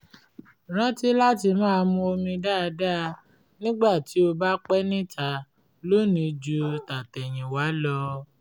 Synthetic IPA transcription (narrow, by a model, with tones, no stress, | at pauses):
ɾ̃ã˨˦ti˦la˦ti˧mãː˦˧mũ˧o˧mĩ˧da˦˧da˦˧ | nĩ˦ɡ͡ba˦˨ti˨˦o˧ba˦k͡pɛ˦nĩ˦tʰa˧ | lo˦nĩ˨˧d͡ʒu˧ta˨tɛ˨j̃ĩ˨wa˨˦lɔ˧